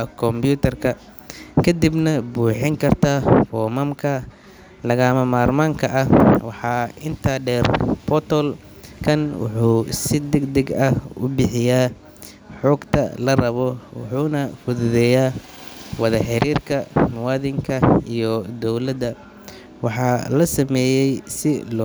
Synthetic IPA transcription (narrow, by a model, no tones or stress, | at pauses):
kʰɔmpjuːt̪ʰɐrkʰɐ | kʰɐd̪ibnɐbuːħɪŋkʰɐrt̪ʰaːfɔːmɐmkʰɐ | lɐɣɐmɐmaːrmaːŋkʰɐʔɐhwɑħɑːɪnt̪ʰaɖɛːrbɔt̪ʰɔl | kʰɐnwʊ̰ħuːsɪd̪ɛɡd̪ɛɡɐʊ̰bɪħɪjaː | ħɔːɡt̪ʰɐ̰lɐrɐβɔwɑ̰ħuːnɐfʊðʊðɛːjaː | wɑðɐħɪɾiːrkʰɐmʊwɑːðɪŋkʰɐijɔd̪ɔwlɐd̪ɐ | wɑħɑːlɐsɐmɛːjɛjsɪlɔ